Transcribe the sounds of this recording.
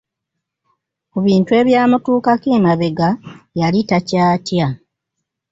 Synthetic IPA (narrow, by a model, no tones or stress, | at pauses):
kuβiːntwe̞ːβjaːmutuːkakeːmaβeɡajalitacaːtja